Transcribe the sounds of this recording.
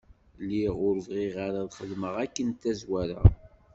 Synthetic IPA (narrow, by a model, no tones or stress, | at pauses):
lːiʁʊɾəvʁiʁaɾaðχəlməʁækːənt̪ːæzwæɾa̰